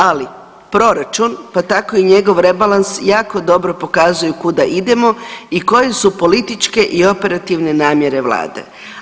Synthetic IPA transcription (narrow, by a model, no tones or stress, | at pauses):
ali | pɾo̞ɾat͡ʃunpat̪ako̞iɲe̞ɡo̞ʋɾe̞balansjaːkod̪o̞bɾo̞po̞kaːzujukud̪aʔid̪e̞mo̞iko̞je̞supo̞lit̪it͡ʃke̞ʔio̞pe̞ɾat̪iʋne̞naːmje̞ɾe̞ʋla̰ːd̪e̞̰